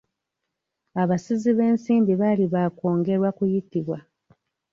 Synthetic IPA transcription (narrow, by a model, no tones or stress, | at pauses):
aβasiziβe̞ːnsiːmbiβaliβaːko̞ːŋɡe̞ɾwakujitiβwa